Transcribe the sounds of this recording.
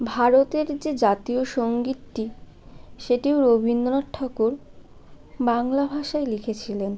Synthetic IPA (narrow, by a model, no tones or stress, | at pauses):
bʱaɾot̪eɾd͡ʑed͡ʑat̪ioʃoŋɡit̪ʈi | ʃeʈioɾobʱinːonaʈʰːɔkuɾ | baŋlabʱaʃaelikʰet͡ɕʰilen